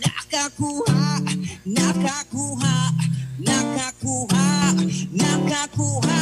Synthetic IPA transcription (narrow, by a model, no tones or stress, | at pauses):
nakakuhanakakuɦanakakuɦanakakuɦa